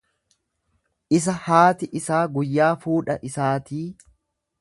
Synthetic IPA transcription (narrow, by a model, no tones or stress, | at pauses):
ʔɪs̬ɐhaːt̪ɪʔɪsaːɡʊjːaːfuːᶑɐʔɪsaːt̪iː